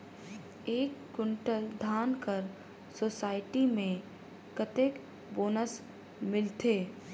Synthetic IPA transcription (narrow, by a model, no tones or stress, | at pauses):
eːkːɪɳʈəld̪ʱaːnkəɾ | soːsaːɪʈimẽ | kət̪eːk | boːnəs | mɪlt̪ʰeː